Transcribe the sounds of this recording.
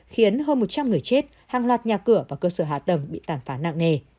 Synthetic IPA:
xi˨˦ənɦəː˧nmo˨˩t̚t͡ɕa˧mŋɨ˨˩əjt͡ɕe˦˥t̚ | haː˨˩ŋlwaː˨˩t̚ɲaː˨˩kɨ˧˩əvaː˨˩kəː˧səː˧˩ɦaː˧˨˩t̪ə˨˩mɓḭ˧˨t̪aː˨˩nfaː˨˦na̰ː˧˨ŋne˧˩

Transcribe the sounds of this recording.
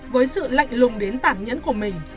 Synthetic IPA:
vəː˨˦jsɨ̰˧˨la̰˧˨jŋ̟lʊ˨˩ŋ͡mɗe˨˦nt̪aː˧˩mɲə̰˧˥nku˧˩əmï˨˩ŋ̟

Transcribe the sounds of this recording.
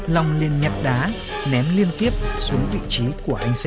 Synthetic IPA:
la˨˩wŋ͡mli˨˩ənɲə˨˩t̚ɗaː˨˦ | nɛ˨˦mli˧ənt̪i˦˥əp̚su˨˦əŋvḭ˧˨t͡ɕi˨˦ku˧˩əʔa˧jŋ̟s

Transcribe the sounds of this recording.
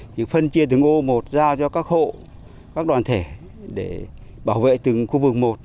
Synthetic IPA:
ɲḭ˧˨fə˧nt͡ɕi˧ət̪̬ɨ˨˩ŋʔo˧mo˨˩t̚zaː˧wt͡ɕɔ˧kaː˦˥k̚ho̰˧˨ | kaː˦˥k̚ɗwaː˨˩nt̪ʰe˧˩ | ɗe˧˩ | ɓaː˧˩wvḛ˧˨t̪ɨ˨˩ŋxu˧vɨ˨˩k̚mo˨˩t̚

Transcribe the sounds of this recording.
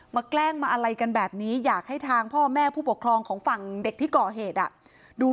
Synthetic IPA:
maː˧klɛː˥˩ŋmaː˧ʔa˧ɾa˧jka˧nbɛː˨˩p̚niː˦˥jaː˨˩k̚ha˥˩jt̪ʰaː˧ŋpʰɔː˥˩mɛː˥˩pʰuː˥˩pu˨˩kʰɾɔː˧ŋkʰɔː˩˦ŋfa˨˩ŋde˨˩k̚t̪ʰiː˥˩kɔː˨˩ɦeː˨˩t̪̚ʔa̰˨˩ | duː˧

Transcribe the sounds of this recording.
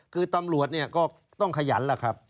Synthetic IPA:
kʰɯː˧t̪a˧mɾu˨˩ət̪̚ni˥˩ɐkɔː˥˩ | t̪ɔ˥˩ŋkʰa˧ja̰ː˩˦˥nlaː˦˩kʰɾa˦˥p̚

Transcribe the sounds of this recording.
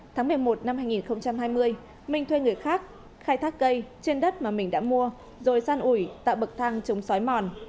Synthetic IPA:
t̪ʰaː˨˦ŋmɨ˨˩əjmo˨˩t̚na˧mhaː˧jŋi˨˩nxə˧wŋ͡mt͡ɕa˧mhaː˧jmɨ˧əj | mï˧˩ŋ̟t̪ʰwe˧jŋɨ˨˩əjxaː˦˥k̚ | xaː˧jt̪ʰaː˦˥k̚kə˧jt͡ɕe˧nɗə˦˥t̚maː˨˩mï˨˩ŋ̟ɗa̰ː˧˥mu˧ə | zo˨˩jsaː˧nʔu˧˩jt̪a̰ː˧˨wɓə˨˩k̚t̪ʰaː˧ŋt͡ɕə˨˦wŋ͡msɔ˨˦jmɔ˨˩n

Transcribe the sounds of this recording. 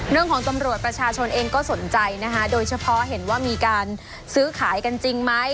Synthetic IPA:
ɾɯ˥˩əŋkʰɔː˩˦ŋt̪a˧mɾu˨˩ət̪̚pɾa˧t͡ɕʰaː˧t͡ɕʰo˧nʔeː˧ŋkɔː˥˩so˩˦nt͡ɕa˧jna˦˥kʰa˦˥doː˧jt͡ɕʰa˧pʰɔ˦˥ɦe˩˦nwaː˥˩miː˧kaː˧n | sɯː˦˥kʰaː˩˦jka˧nt͡ɕi˧ŋma˦˥j

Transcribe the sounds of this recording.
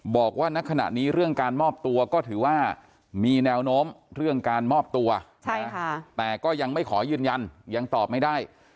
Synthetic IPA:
bɔː˨˩k̚waː˥˩na˦˥kʰa˧na̰˨˩ʔniː˦˥ɾɯ˥˩əŋkaː˧nmɔː˥˩p̚t̪u˧ɐkɔː˥˩t̪ʰɯː˩˦waː˥˩ | miː˧nɛː˧wnoː˦˥mɾɯ˥˩əŋkaː˧nmɔː˥˩p̚t̪u˧ɐt͡ɕʰa˥˦˥a˥˩t̪ɛː˨˩kɔː˥˩ja˧ŋma˥˩jkʰɔː˩˦jɯː˧nja˧nja˧ŋt̪ɔː˨˩p̚ma˥˩jdaː˥˩j

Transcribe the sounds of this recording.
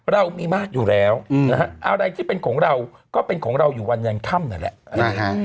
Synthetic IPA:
ɾa˧wmiː˧maː˥˩k̚juː˨˩lɛː˦˥wna˦ka˦˥ʔʔa˧ɾa˧jt̪ʰiː˥˩pe˧nkʰɔː˩˦ŋɾa˧wkɔː˥˩pe˧nkʰɔː˩˦ŋɾa˧wjuː˨˩wa˧nja˧nk̪ʰa˥˩mna˨˩lɛ̰˨˩˦a˧˩ɦa˦˥

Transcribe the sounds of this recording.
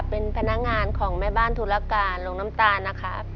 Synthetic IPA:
pːe˧npʰa˧na˦˥k̚ŋaː˧nkʰɔː˩˦ŋmaː˥˩jbaː˥˩nt̪ʰuː˧la˧kaː˧nlo˧ŋna˦˥mt̪aː˧nːa˦˥kʰa˦˥

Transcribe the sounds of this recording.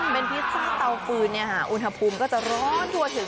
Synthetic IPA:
pe˧npʰi˦˥t̪̚saː˥˩t̪a˧wfɯː˧nːi˥˩ɐkʰːa˥˩ʔu˧nɦa˧pʰuː˧mkɔː˥˩t͡ɕa˨˩ɾɔː˦˥nt̪ʰu˧ɐt̪ʰɯ˨˩˦ŋ

